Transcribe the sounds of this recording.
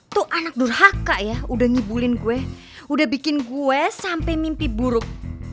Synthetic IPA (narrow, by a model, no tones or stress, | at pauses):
t̪uʔanak̚dʊrhakaʔjaudahŋibulɪnkuwɛ | udahbikɪnkuɛsampɛmimpibuɾʊk̚